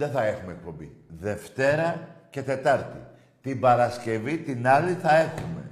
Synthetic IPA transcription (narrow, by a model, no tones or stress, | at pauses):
ðeθɐe̞xumek̚po̞mbiðe̞ft̪e̞ɾɐce̞t̪e̞t̪ɐɾt̪i | t̪ibɐɾɐsce̞vit̪inɐliθɐe̞xume̞̰